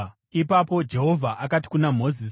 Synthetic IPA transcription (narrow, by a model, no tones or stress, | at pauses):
ipapo̞d͡ʒe̞ɦo̞vʱaʔakati̥kunam̤o̞zis